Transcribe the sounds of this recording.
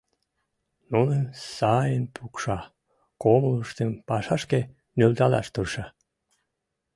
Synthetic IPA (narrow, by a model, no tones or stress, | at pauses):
nunensɑjənpʰukʃɑ | komluʃt̪empɑʃɑʃke | nølt̪ɑlɑ̰ʃt̪urʃɑ